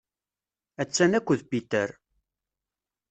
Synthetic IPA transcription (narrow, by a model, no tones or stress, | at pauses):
æt͡sːænækʷːəðpit̪əɾ